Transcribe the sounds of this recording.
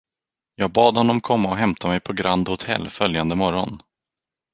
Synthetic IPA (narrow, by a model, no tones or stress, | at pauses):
jɑːɡ̚bɑːd̪hɔnːɔmkʰɔmːaɔɦɛmt̪ʰamɛjpʰɔɡɾand̪hʊt̪ʰɛ̰lːfœljand̪əmɔɾɔn